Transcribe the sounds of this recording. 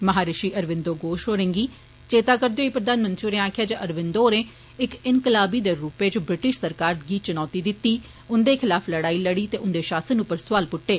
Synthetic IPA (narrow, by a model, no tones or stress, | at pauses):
məɦaːɾɪʃiːʔəɾʋɪ̃nd̪oːɡoːʃɦoːɾẽːŋɡiː | t͡ʃeːt̪aːkəɾd̪eoiːpɾəd̪aːnmə̃nt̪ɾioːneːaːkʰɪjaːd͡ʒəʔəɾʋɪnd̪oːnẽː | ɪkɪnkɪlaːbiːd̪eːɾuːpeːt͡ʃbɾɪʈɪʃsəɾkaːɾɡiːt͡ʃənɔːt̪iːd̪ɪt̪ːiː | ʊnd̪eːkʰɪlaːpʰləɽaːiləɽiːt̪eːʔʊnd̪eːʃaːsənʊpːəɾsʊʋaːlpʊʈːeː